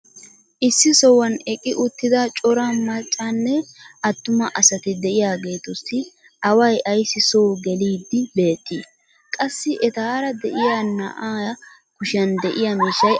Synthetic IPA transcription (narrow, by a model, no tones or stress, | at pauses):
ʔɪsːɪsɔwɐnɛkʼɪʔʊt̪ːɪd̪ɐt͡ʃʼɔɾaːmɐt͡ʃʼːanːɛɐt̪ːʊmɐʔɐsɐt̪ɪd̪ɛʔɪjaːɡe̞ːt̪ɔsːɪ | ʔɐwɐjɐjsːɪsoːɡɛliːd̪ːɪbe̞ːt̪ːiː | kʼɐsːɪʔɛt̪aːɾɐd̪ɛʔɪjaːnɐʔ | kʊʃɐnd̪ɛʔɪjamiːʃɐj